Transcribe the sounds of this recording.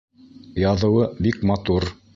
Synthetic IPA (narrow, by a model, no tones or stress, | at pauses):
jɑðɤ̆wɤbikmɑt̪uɾ